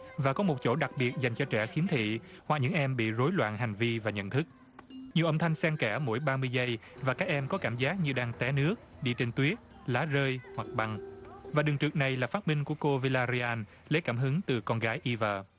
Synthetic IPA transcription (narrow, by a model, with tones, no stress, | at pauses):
vaː˨˩kɔ˨˦mo˨˩t̚t͡ɕo̰˧˩ɗa˨˩k̚ɓi˨˩ət̚za˨˩jŋ̟t͡ɕɔ˧t͡ɕɛ˧˩xi˨˦nt̪ʰḭ˧˨hwa˨˩k̚ɲɨ̰˧˥ŋʔɛ˧mɓḭ˧˨zo˨˦jlwa̰ː˧˨nɦa˨˩jŋ̟vi˧vaː˨˩ɲə̰˧˨nt̪ʰɨ˦˥k̚ | ɲi˨˩əwə˧mt̪ʰa˧jŋ̟sɛ˧ŋkɛ˧˩mo̰˧˥jɓaː˧mɨ˧əjzə˧jvaː˨˩kaː˦˥k̚ʔɛ˧mkɔ˨˦kaː˧˩mzaː˦˥k̚ɲɨ˧ɗaː˧ŋt̪ɛ˨˦nɨ˦˥ək̚ɗi˧t͡ɕe˧nt̪wi˦˥ət̚ | laː˨˦zəː˧jhwa˨˩k̚ɓa˨˩ŋvaː˨˩ɗɨ˨˩ŋt͡ɕɨ˨˩ək̚na˨˩jlaː˨˩faː˦˥t̚mï˧ŋ̟ku˧˩əko˧vi˧laː˧zi˧aː˧n | le˨˦kaː˧˩mɦɨ˨˦ŋt̪ɨ˨˩kɔ˧nɣaː˨˦jʔi˧vəː˨˩